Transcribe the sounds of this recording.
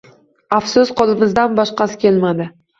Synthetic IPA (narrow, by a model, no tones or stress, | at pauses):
afsʊsqʰɒlˠɪmɪzd̪anbɒʃqɑsɪ̥kʲʰe̞lmad̪ɪ